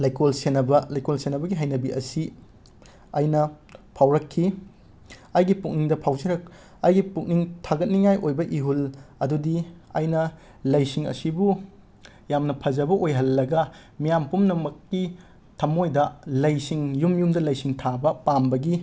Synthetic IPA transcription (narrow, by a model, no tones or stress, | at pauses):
lajkolsenɐbɐlɐjkolsenːɐbɐɡiɦajnɐbiʔɐ̰si | ajnɐ | pʰawɾɐkʰːi | ajɡipuk̚niŋdɐpʰawzɐɾɐk̚ | ajɡipuk̚niŋtʰaɡɐt̚niŋajʔojbɐʔiɦulɐdudia̰jnɐ | lɐjsiŋɐ̰sibu | jamnɐpʰɐzɐbɐʔojɦɐlːɐɡɐ | mijampumnɐmɐkːi | tʰɐmojdɐlɐjsiŋjumjumdɐlɐjsiŋtʰabɐpambɐɡi